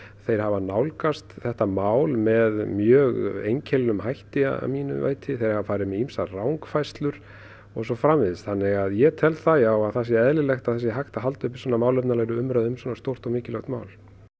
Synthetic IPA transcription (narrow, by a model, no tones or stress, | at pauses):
θejɾ̥havanawlkast̪θɛht̪amaːwlmɛðmjœːɣejɲcʰɛlnʏmɦajht̪ɪa̰a̰miːnʏ̰va̰ːjt̪ʰɪθejɾ̥havafaːɾɪðmɛimsarawŋkfajst̪lʏɾ̥ | ɔɣsɔfɾamvɪðɪst̪θanːɪɣaðjɛt̪ʰɛlθaðjawaðθas̬ɪɛðlɪlɛxt̪aðθɛsːɪɦajxt̪aɦal̪t̪ʏhpɪ̥ɾswɔːnamaːwlœpnalajɾʏʏmɾaðʏmsɔːnast̪owr̥t̪ɔɣmɪːcɪlœxt̪mawl